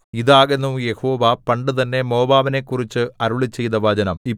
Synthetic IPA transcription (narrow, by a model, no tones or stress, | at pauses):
iðaːɣenːuje̞ho̞ːʋɐpɐɳɖɨt̪ɐnːe̞mo̞ːbaːʋɐne̞kːurit͡ɕːɨɐɾuɭit͡ɕːe̞jt̪ɐʋaːd͡ʑɐnɐmi